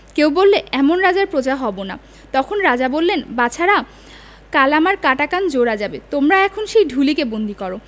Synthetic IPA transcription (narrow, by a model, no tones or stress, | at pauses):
kewbolːeʔɛmonɾad͡ʑaɾpɾod͡ʑaɦɔbona̰ | t̪ɔkʰonɾad͡ʑabolːenbat͡ɕʰaɾa | kalamaɾkaʈakand͡ʑoɾad͡ʑabet̪omɾaɛkʰonʃejɖʱulikebond̪ʱikɔɾo